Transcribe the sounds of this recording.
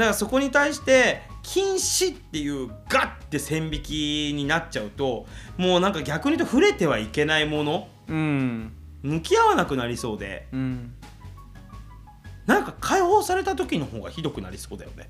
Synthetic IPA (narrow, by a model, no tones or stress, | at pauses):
d̪akaso̞ko̞ɲ̟it̪aiɕi̥t̪e̞kʲʰĩɰ̃ɕit̪ːe̞jɯ̟ːɡat̪ːe̞sẽ̞mbʲikʲiɲ̟inatt͡ɕaɯ̟t̪o̞mo̞ːnãŋkaɡʲakɯ̟ɲ̟it̪o̞ɸɯ̟ɾe̞t̪e̞β̞aike̞naimo̞no̞ | ɯ̃ | mɯ̟kʲijaβanakɯ̟naɾʲiso̞ːd̪e̞̰ɯ̃ | nãŋkakʰaiho̞ːsaɾe̞t̪at̪o̞kʲino̞ho̞ːɡa̰çid̪o̞kɯ̟na̰ɾʲiso̞ːd̪a̰jo̞̰ne